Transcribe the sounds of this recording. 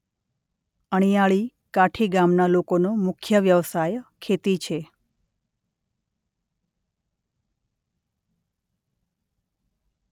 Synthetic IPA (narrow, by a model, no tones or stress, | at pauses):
əɳ̃ijaɭi | kaʈʰiɡamnalokonomʊkʰjəʋjəʋsajkʰet̪it͡ʃʰe